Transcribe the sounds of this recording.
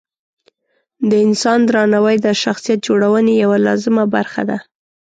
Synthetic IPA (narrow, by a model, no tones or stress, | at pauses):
d̪əɪnsɑnd̪ɾɑnawəjd̪əʃaxsijat̪̚d͡ʒoɽawənejawalɑzɪmabaɾxa̰d̪a